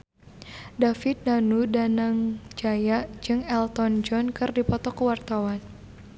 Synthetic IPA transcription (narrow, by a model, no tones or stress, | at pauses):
dafɪt̪̚danudanaŋd͡ʒajad͡ʒɨŋɛlt̪ɔnd͡ʒɔnkɨrdipɔt̪ɔkəwart̪awan